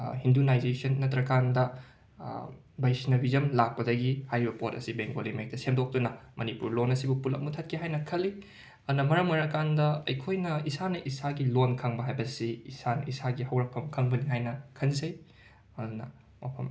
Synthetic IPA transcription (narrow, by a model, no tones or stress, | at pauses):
hindunajzesɐnːɐtɾɐkandɐ | bɐjsnɐbizɐmlak̚pɐdɐɡihajɾibɐpotɐsibeŋɡolimek̚tɐsemdok̚tunɐmʔɐnipuɾlonɐsibupulɐ̰k̚mutʰɐt̚kʰiɦajnɐkʰɐlːi | ɐnɐmɐɾɐmɐɾɐkandɐɐjkʰojnɐisanɐʔisaɡilonkʰɐŋbɐɦajbɐsiːsanɐ̰ʔisaɡihɐwɾɐk̚pʰɐmkʰɐŋbɐniɦajnɐkʰɐnzɐj | ɐnɐ̰ | mɐpʰɐm